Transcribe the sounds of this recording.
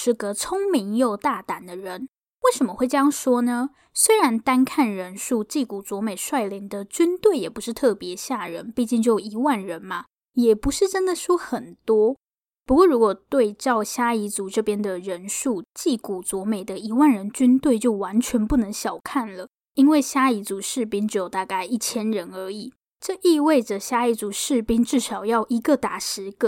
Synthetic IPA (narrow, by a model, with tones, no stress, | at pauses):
ʂɻ̩˥˩kɤ˧˥t͡sʰʊ˥ŋmi˧˥ŋjo˥˧ʊt̪a˥˩t̪a˨˩nd̪ə˦ɻə˧˦n | we˥˩ɪʂə˧˥mə˧˦xwe˥˩ɪt͡ɕjɑ˥ŋʂwɔ˥nə˧ | swe˥ɪɻa˧˥nt̪a˥nkʰa˥˩nɻə˧˥nʂu˥˧t͡ɕi˥˩ku˨˩t͡swɔ˧˥me˨˩ɪʂwa˥˩ɪli˧˥ŋd̪ə˧t͡ɕy˥nt̪we˥˩ɪjɛ˨˩pu˧˥ʂɻ̩˥˧t̪ʰɤ˥˩pjɛ˧˥ɕja˥˩ɻə̰˧˥npi˥˧t͡ɕi˥˧ŋt͡ɕjo˥˩ji˧˥wa˥˩nɻə˧˥nmɐ˨ | jɛ˨˩pu˧˥ʂɻ̩˥˩ʈ͡ʂə˥nd̪ə˨ʂwɔ˥xə˨˩nt̪wɔ˥ | pu˧˥kwɔ˥˩ɻu˧˥kwɔ˨˩t̪we˥˧ɪʈ͡ʂɑ˥˩ʊɕja˥i˧˥t͡su˧˥ʈ͡ʂɤ˥˩pjɛ˥nd̪ə˨ɻə˧˥nʂu˥˩t͡ɕi˥˩ku˨˩t͡swɔ˧˥me˨˩ɪd̪ə˦i˧˥wa˥˩nɻə˧˥nt͡ɕy˥nt̪we˥˧ɪt͡ɕjo˥˩ʊwa˧˥nt͡ɕʰɥɛ˧˥npu˥˩nɤ˧˥ŋɕjɑ˨˩ʊkʰa˥˩nlə˩ | i˥nwe˥˩ɪɕja˥i˧˥t͡su˧˥ʂɻ̩˥˩pi˥ŋʈ͡ʂɻ̩˧˥jo˨˩ʊt̪a˥˧ka˥˧ɪʔi˥˩t͡ɕʰjɛ˥nɻə˧˥nə˞˧˥i˨˩˦ | ʈ͡ʂɤ˥˧ʔi˥˧we˥˩ɪʈ͡ʂə˩ɕja˥i˧˥t͡su˧˥ʂɻ̩˥˩pi˥ŋʈ͡ʂɻ̩˥˩ʂɑ˨˩ʊjɑ˥˩ʊʔi˧˥ɡə˧t̪a˨˩ʂɻ̩˧˥ɡə˧